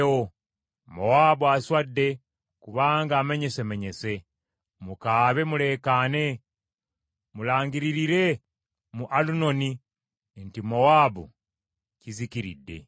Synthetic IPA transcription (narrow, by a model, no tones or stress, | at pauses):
o | mo̞waːbuaswadːe̞ | kuβaːŋɡaːme̞ɲe̞seme̞ɲe̞se̞ | mukaːβe̞mule̞ːkane̞ | mulaːŋɡiɾiɾiɾe̞ | muʔaluno̞ni | ntimo̞waːbṵ | ciziciɾḭdːe̞̰